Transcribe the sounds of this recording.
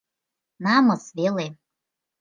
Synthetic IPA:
nɑmɤ̆sβele

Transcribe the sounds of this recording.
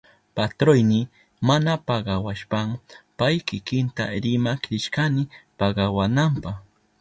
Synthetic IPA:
pat̪ɾojnɪ | manapɑɢɑwaʃpampajkɪkɪnt̪a̰ɾɪmakɾɪʃkanɪpɑɢɑwanampɑχ

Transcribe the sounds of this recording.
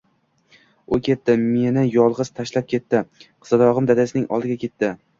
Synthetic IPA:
ojkʲʰe̞t̪ːɪme̞nɪjɒlˠʁɨz̥t̪ʰaʃlap̚kʲʰe̞t̪ːɪqʰɨ̥zad̪ɒʁɨmd̪ad̪asɪnɪŋʔɒ̰lˠd̪ɪɡʲakʲʰe̞t̪ːɪ

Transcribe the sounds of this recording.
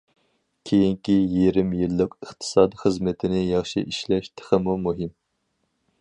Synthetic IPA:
kʲʰejiŋkʲijiɾɪmjilːɨqəχt̪ʰɨ̥sɑːd̪iχɨzmɨt̪ʰɪnɪjɑχʃḭʔiʃlɛʃt̪ʰə̥χəmumuɦɪm

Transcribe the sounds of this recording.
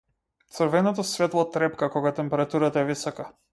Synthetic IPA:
t̪srvɛnɔt̪̬ɔsvɛt̪lˠɔt̪ːɾɛpkakɔɡat̪ɛmpɛɾat̪uɾat̪aɛvisɔka

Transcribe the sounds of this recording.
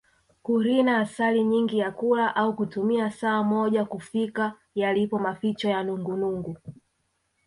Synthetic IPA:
kuɾinaːsaliɲiŋɡijakulaʔaukutumiasaːmɔʄakufika | jalipɔmafit͡ʃɔjanuŋɡunuŋɡu

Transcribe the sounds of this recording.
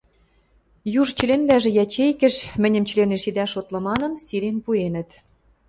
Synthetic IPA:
juʒt͡ɕə̆lenblæʒĕjæt͡ɕejkɘ̆ʃmɘ̆nʲɘ̆mt͡ɕə̆leneʃid̪æʃot̪lɤ̆mɑnɤ̆nsiɾʲenpuenə̆t̪

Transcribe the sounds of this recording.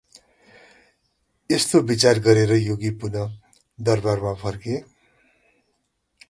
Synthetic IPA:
est̪obit͡sarɡʌɾeɾʌjoɡipunʌ | d̪ʌrbarmapʰʌrke

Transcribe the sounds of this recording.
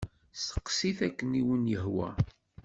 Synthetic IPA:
sə̥qːsiθækːəniwənjəhwæ̰

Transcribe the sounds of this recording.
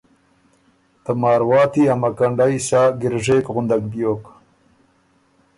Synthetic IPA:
t̪əmɑːɾwɑːt̪iɐmakaɳɖajsaːɡɪɾʐeːkɣʊnd̪ak̚bjoːk

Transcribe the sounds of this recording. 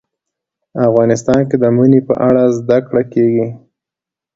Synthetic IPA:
afɣɑnɪst̪ɑnked̪əmunepə̰ʔaɽazd̪akɽakeɡi

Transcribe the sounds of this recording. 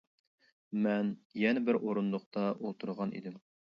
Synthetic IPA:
mɛnjɛnɛbɪɾʔoɾunlʊq̚t̪ɑolˠt̪ʰuɾʁɑnḭd̪ɪm

